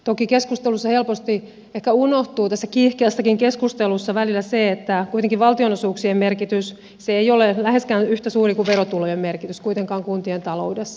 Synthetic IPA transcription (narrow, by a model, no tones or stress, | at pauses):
t̪okikeskust̪elusːɑhelpost̪i | ehkæunoht̪uːt̪æsːækihkeːsːɑkiŋkeskust̪elusːɑʋælilːæseet̪ːækuit̪eŋkiʋʋɑlt̪ionosuːksiemmerkit̪ys | seejolelæheskæːnyht̪æsuːrikuʋʋerot̪ulojemmerkit̪yskuit̪eŋkɑːŋkunt̪ient̪ɑloudesːɑ